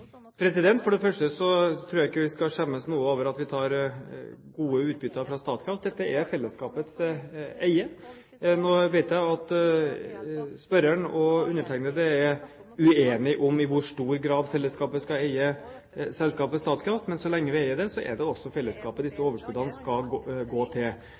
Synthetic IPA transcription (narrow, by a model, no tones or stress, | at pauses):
pʰɾɛsɪd̪ɛnt̪fɔɖɛfœʂʈəsɔt̪ʰɾuːjæɪɪkːəʋɪskɑʂɛmːəsnuːəoːʋəɾɑt̪ʋɪt̪ʰɑːɾ | ɡuːəʉːt̪̚bʏt̪ːəfɾɑst̪ɑːt̪kʰɾɑft̪̚d̪ɛt̪ːəʔɛɾfɛlːəskɑːpət̪sæɪə | noːʋæɪt̪jæɪɑt̪ | spœɾæɳɔʉnːəʈʰæɪnəd̪ɛæɾ | ʉeːnɪʔɔmɪʋʊʂʈuːɾɡɾɑːd̪fɛlːəskɑːpəskɑæɪə | sɛlskɑːpəst̪ɑːt̪kʰɾɑft̪mɛnsɔlɛŋːəʋɪæɪəɖ̪ɛsɔʔæ̰ɖɛɔsːɔfɛlːəskɑːpəd̪ɪsːəoːʋəʂkʉːd̪ɑnskɑlɡoːt̪ʰɪl